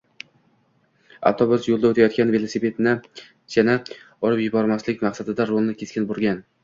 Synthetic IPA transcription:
a̰ft̪ʰobʊsjolˠd̪aot̪ʰajɒt̪kʲanve̞lˠosipʰe̞t̪nɪ | d͡ʒana | ɒɾɪpjʊbɒɾmaslɪkʲmaqsad̪ɪd̪aɾolˠnɪkʲʰe̞skʲɪnbʊɾɡʲan

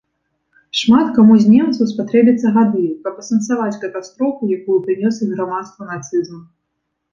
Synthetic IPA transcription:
ʂmat̪kamuzʲmʲɛmt̪sɐwspat̪ɾɛbʲɐt̪sːɐɣad̪ɨkɐpɐsɐnt̪savat͡sʲkɐt̪ast̪ɾɔfujakujupɾɨnʲɔsʲiɣɾamat̪st̪vɐnat̪sɨzmɐ

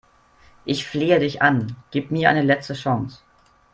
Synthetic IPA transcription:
ʔɪçfleːədɪçʔanɡ̥iːpmiːɐa̰ɪnəlɛt͡stəʃaŋs

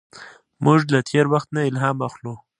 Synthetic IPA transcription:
mʊʐlat̪ʰeɾwaxt̪naɪlɦɑːmaxlo

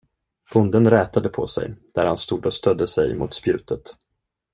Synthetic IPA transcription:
b̥ʰʊnd̪ənɾɛːt̪ad̪əpʰɔ̰sɛ̰jd̪̥æɾhanst̪uːd̪ɔst̪œd̪ːəsɛjmʊ̰ːt̪spjʉ̟ːt̪ʰət̪

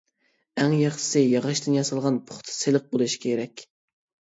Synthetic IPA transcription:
æŋjɑχʃsɪjɑʁɑʃt̪ɨnjɑsɑlˠʁɑnpʰʊ̥χt̪ʰɨ̥selɪq̚bolˠuʃkʲʰeɾɛkʲ

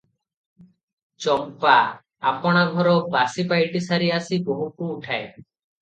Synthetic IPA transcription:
t͡ʃɔmpa | a̰pɔɽ̃aɡʱɔɾɔbasipajʈisaɾiasiboɦukuːʈʰae

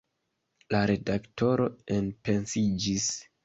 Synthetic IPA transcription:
laɾe̞dakto̞ɾo̞enpe̞nsid͡ʒis

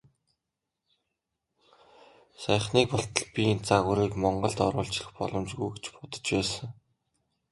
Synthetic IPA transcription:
sæjχniːkpʊɬt̪ə̆ɮpʲint͡saɣŭɾiːkmɔɴɢɞ̆ɮt̪ɔɾʊːɬt͡ɕɪ̥̆xpɔ̰ɮɞ̆mt͡ɕɣujɡet͡ɕpʊt̪ə̥̆t͡ɕpæːsə̆ŋ

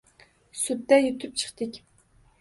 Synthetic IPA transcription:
sut̪ːɛjyt̪ʰyp̚t͡ʃʰə̥χt̪ɪkʲ

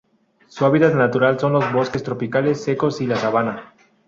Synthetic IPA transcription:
suaβit̪at̪nat̪uɾalso̞nlo̞zβo̞ske̞st̪ɾo̞pikale̞sːe̞ko̞silasaβana

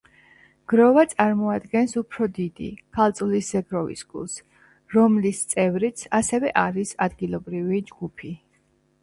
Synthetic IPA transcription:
ɡ̥ɾɔvat̪sʼaɾmɔad̪ɡɛnsupʰɾɔd̪id̪ḭkʰalˠt̪sʼulisz̥ɛɡɾɔvḭsɡṵlˠs | ɾɔmlist̪sʼɛvɾit̪sʰasɛvɛʔaɾisad̪ɡilˠɔbɾivid͡ʒɡupʰi

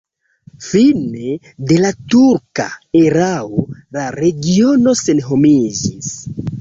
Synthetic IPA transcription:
fine̞ | de̞latuɾkaeɾaolaɾe̞ɡio̞no̞se̞nɦo̞mid͡ʒis

